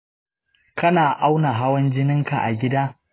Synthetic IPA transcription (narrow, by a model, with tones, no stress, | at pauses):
kɐ˦naː˨ʔa˦wna˨ɦa˦wɐ˦nd͡ʒɪ˦nɪ˦ŋka˨ʔa̰˨ɡʲɪ˦daː˦